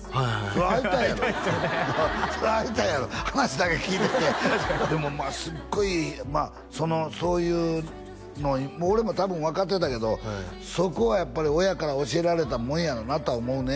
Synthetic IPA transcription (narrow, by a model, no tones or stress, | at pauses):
soɾait̪aaɾo | soɾait̪ajaɾohanaɕid̪akakʲiːt̪et̪ːed̪e̞mo̞maːsɨɡːo̞imaː | so̞no̞so̞ːjɯː | no̞ɲ̟imoːɾe̞mo̞t̪abɯ̟̃ɰ̃βakat̪ːe̞t̪ake̞d̪o̞ | so̞ko̞βajapːaɾʲio̞jakaɾaoɕie̞ɾaɾe̞t̪amõ̞ɰ̃jaɾonat̪o̞aomo̞ɯ̟ne